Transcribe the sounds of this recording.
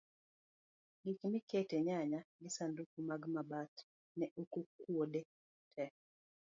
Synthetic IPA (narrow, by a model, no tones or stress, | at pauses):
ɡikmiketeɲaɲaɡɪsanduk̚umaɡmabat | nɛukukwode | tʰɛ